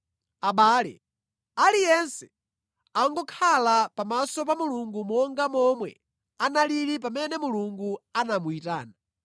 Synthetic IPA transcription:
aɓaːlɛ̰ | alijɛnsɛ̥ | aŋɡɔkʰalapamasɔpamuluŋɡumɔŋɡamɔmwɛ | analiɾip̬amɛnɛmuluŋɡuanamuitaːna

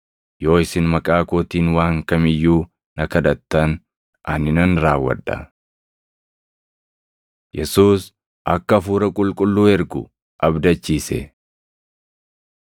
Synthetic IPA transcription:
jo̞ːɪsɪnmɐkʼaːkoːt̪iːnwaːŋkɐmɪjːuː | nɐkɐd̪ɐt̪ːɐn | ʔɐnːɪnɐnɾaːwːɐ̰ᶑːɐ̰ | jɛsuːs | ʔɐkːɐfuːɾɐkʼʊlkʼʊlːuːɛɾɡʊ̰ | ʔɐbd̪ɐt͡ʃːiːsɛ̰

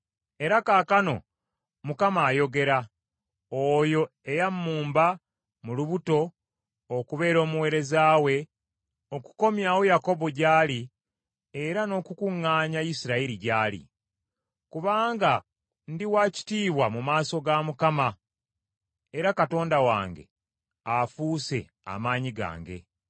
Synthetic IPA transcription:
e̞ɾakaːkano̞̰ | mukamaːjo̞ɡe̞ɾa | ojo̞ | e̞jamːuːmba | muluβuto̞ | okuβe̞ːɾo̞ːmuwe̞ːɾe̞zaːwe̞ | o̞ku̥ko̞mjaːwo̞jako̞βo̞ɟaːli | eɾano̞ːkukuŋːaːɲaisiɾaiɾiɟaːlḭ | kuβaːŋɡa | ndiwaːci̥tiːβwamumaːso̞ɡamukama | e̞ɾakato̞ːndawa̰ːŋɡe̞̰ | afuːse̞̰ | a̰maːɲiɡa̰ːŋɡe̞̰

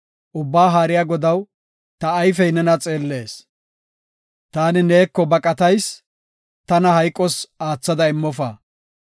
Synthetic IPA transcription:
ʔʊbːaːɦaːɾɪjaːɡɔd̪ɐw | t̪ɐːjfɛjnɛnɐt͡sʼe̞ːlːe̞ːs | t̪aːnɪne̞ːkːɔbɐkʼɐt̪ɐjs | t̪ɐnɐɦɐjkʼːɔsaːt͡sːɐd̪ɐɪmːɔfa̰ː

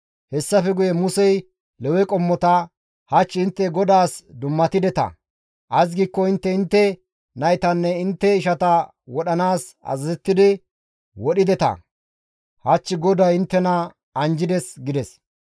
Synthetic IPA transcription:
hɛsːɐfɛɡʊjɛmʊsɛj | lɛwɛkʼɔmːɔt̪ɐ | hɐt͡ʃːɪɪnt̪ːɛɡɔd̪aːsd̪ʊmːɐt̪ɪd̪ɛt̪ɐ̰ | ʔɐs̬ɡiːkːɔɪnt̪ːɛɪnt̪ːɛ | nɐjt̪ɐnːɛɪnt̪ːɛɪʃɐt̪ɐ | wɔɗɐnaːsɐ̰zɐzɛt̪ːɪd̪ɪ | wɔɗɪd̪ɛt̪ɐ̰ | hɐt͡ʃːɪɡɔd̪ɐjɪnt̪ːɛnɐ | ɐnd͡ʒɪd̪ɛsɡɪd̪ɛs

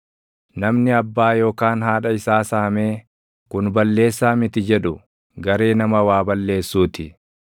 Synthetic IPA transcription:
nɐmnɪɐbːaːjo̞ːkaːnɦaːᶑɐɪsaːsaːɐme̞ː | kʊnbɐlːe̞ːsːaːmɪt̪ɪd͡ʒɛᶑʊ | ɡɐɾe̞ːnɐmɐwaːbɐlːe̞ːsːuːt̪ɪ

